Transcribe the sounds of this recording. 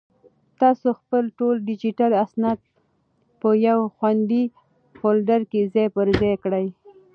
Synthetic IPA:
t̪ɑsoxpəlʈolɖɪd͡ʒiʈalasnad̪̚ | pəjawxwand̪i | folɖaɾkezajpəɾzɑjkɽaj

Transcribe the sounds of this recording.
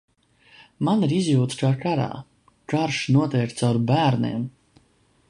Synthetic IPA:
maniɾizʲjuːt̪skaːkaɾa̰ː | kaɾʃnuɔt̪ɛjk̚t̪sawɾbæːɾnḛːm

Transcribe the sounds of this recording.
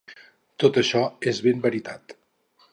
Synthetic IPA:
t̪ot̪əʃɔezβembəɾit̪at̪

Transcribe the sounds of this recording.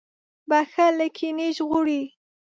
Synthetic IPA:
baxaləkʰiniʒɣuɽi

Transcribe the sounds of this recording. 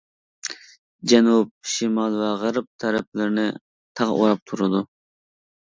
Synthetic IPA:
d͡ʒɛnup̚ʃimɑlˠvɛʁəɾɨp̚t̪ʰɛɾɛp̚ʰlɪɾnɪ | t̪ʰɑʁṵɾɑp̚t̪ʰuɾɨd̪u

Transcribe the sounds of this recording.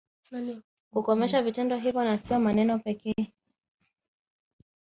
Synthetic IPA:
kukɔmɛʃavitɛndɔɦivjɔnasijɔmanɛnɔpɛkɛ

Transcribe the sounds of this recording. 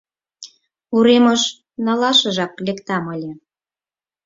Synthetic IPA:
uɾemɤʃ | nɑlɑʃə̆ʒɑklʲekt̪ɑmɤlʲĕ

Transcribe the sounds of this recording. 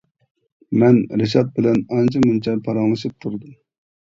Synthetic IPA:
mɛnɾɪʃɑt̪̚bɪlɛnɑnt͡ʃʰɑmɨnt͡ʃʰɛpʰɑɾɑŋlˠɨʃɨp̚t̪ʰuɾd̪um

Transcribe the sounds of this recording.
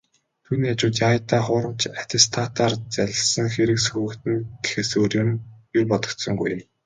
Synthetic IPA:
t̪ʰuːniːat͡ɕʊːt̪jajt̪aːχʊːɾə̆mt͡ɕat̪ʲʰest̪ʰat̪ʰaːrt͡sæɮʲɪ̆ɮsə̆ŋxeɾɘ̆ksɵɣɵ̆kt̪ɘ̆nɡexĕsoːrjoːnjʊrpɔt̪ɞ̆kt̪sɞ̆ŋɡujə̆m

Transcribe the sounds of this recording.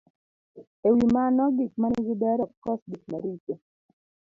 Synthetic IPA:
ewimanɔɡik̚manɡidɛɾɔkkɔsɡik̚maɾit͡ʃe

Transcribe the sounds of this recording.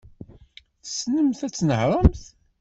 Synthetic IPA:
θsnəmθæt͡sːnəhɾˤəmθ

